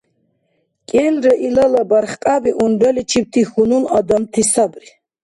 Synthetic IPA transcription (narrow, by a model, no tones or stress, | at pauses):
kʼɛnɾɛʔilalabaɾχqʼabiʔund̪alit͡ʃʰip̚t̪ʰixununad̪amt̪ʰisabɾi